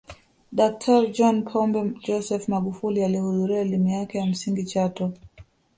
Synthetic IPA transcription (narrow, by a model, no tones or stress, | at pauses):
ɗak̚tʰaɾid͡ʒɔnpʰɔmbɛd͡ʒɔsɛfmaɡufulialihuðuɾiaɛlimujakɛjam̩siŋɡit͡ʃatɔ